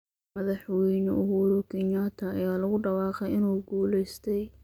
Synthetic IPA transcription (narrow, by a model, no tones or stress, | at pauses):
mɐðɑħwɛjnɔʔʊɦuɾʊkʰɪɲːaːt̪ʰɐɐjaːlɐɣʊɖɑwɑːqɛjɪnuːɡuːlɛjst̪ʰɛj